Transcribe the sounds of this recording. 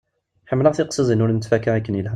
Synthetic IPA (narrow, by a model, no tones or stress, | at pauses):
ħəmːləʁθiqsˤəzˤinuɾnət̪fækːaʕikːənjəl